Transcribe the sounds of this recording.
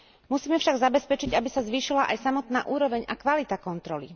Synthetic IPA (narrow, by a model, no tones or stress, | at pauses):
musiːmɛfʃaɡzabɛspɛt͡ʃiɟabisazʋiːʃilaʔajsamɔt̪naːʔuːɾɔʋɛɲakʋalit̪akɔnt̪ɾɔlḭ